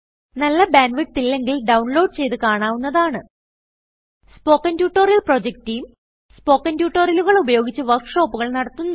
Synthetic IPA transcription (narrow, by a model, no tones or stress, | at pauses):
nɐlːɐbaːnʋiʈt̪ːilːe̞ŋɡilɖɐwɳlo̞ːɖ̚t͡ɕe̞jt̪ɨkaːɳaːʋunːɐðaːɳɨ | spo̞ːkːɐntjuːʈːo̞ːrjɐlpro̞ːd͡ʑek̚tːijum | spo̞ːkːɐntjuːʈːoːrjɐluɣɐɭubɐjo̞ːɡit͡ɕːɨʋɐkʂo̞ːpːuɣɐɭnɐɽɐt̪ːunː